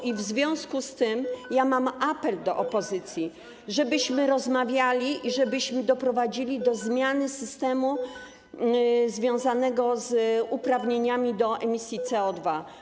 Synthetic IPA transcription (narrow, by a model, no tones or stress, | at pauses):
ivzvʲjɔ̃w̃skust̪ɘmjamamʔapɛld̪ɔʔɔpɔzɘt̪sʲji | ʐɛbɘɕmɘɾɔzmavʲjalʲiʔiʐɛbɘɕmɘd̪ɔpɾɔvad͡ʑilʲid̪ɔzmʲjanɘsɘst̪ɛmu | zvʲjɔ̃w̃zanɛɡɔzupɾavɲeɲamʲid̪ɔɛmʲisʲjit̪sɛɔd̪va